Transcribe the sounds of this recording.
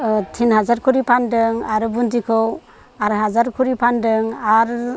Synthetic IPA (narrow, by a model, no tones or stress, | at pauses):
tʰinɦazaɾkʰuɾipʰandɯŋaɾɯbuntikʰɯw | aɾɦazaɾkʰuɾipʰandɯŋaɾ